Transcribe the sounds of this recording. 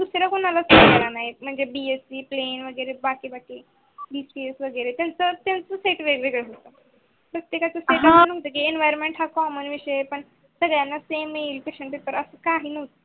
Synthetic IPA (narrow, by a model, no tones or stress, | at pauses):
d̪usɾjakonalasokəɾanaɦim̤əɳd͡zebiesiːplenʋəɡəɾebakiːbakiː | bispiesʋəɡəjɾet̪jant͡sət̪jant͡səseʈʋeʋeɡəɭeɦot̪a | pɾət̪jekat͡səseʈanəɦt̪ək̬iːɛnʋajɾmeɳʈɦakɔmənʋiɕəepəɳ | səɡɭjanːasemelpikɕəɳpepəɾəsəkaɦiːnəɦt̪ə